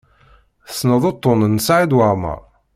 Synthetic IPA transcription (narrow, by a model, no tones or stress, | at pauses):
θəsnəðˤot̪ˤːonənːsʕid̪wəɾˤmə̰ʁˤ